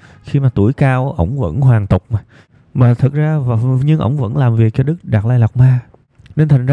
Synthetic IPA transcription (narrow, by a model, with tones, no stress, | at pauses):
xi˧maː˨˩t̪u˧˩əjkaː˧wʔə̰˧˥wŋ͡mvə̰˧˥nɦwaː˨˩ŋt̪ʊ˨˩k͡p̚maː˨˩j | maː˨˩t̪ʰɨ˨˩t̚zaː˧˨ɲɨ˧ŋʔə̰˧˥wŋ͡mvə̰˧˥nlaː˨˩mvi˨˩ək̚t͡ɕɔ˧ɗɨ˦˥k̚ɗa˨˩t̚laː˧jla˨˩wk͡p̚maː˧ | ne˧nt̪ʰŋ̟z